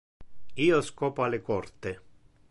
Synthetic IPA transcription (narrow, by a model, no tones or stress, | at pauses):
iːoskɔːpoalekɔrt̪e